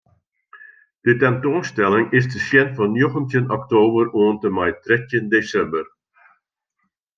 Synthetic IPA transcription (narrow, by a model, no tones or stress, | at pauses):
d̥ətɛntoːnstɛlɪŋɪsdəsjɛnvɑnjoχəntjənɔktoːbəroəntəmɛjtrɛtəndesɛmbər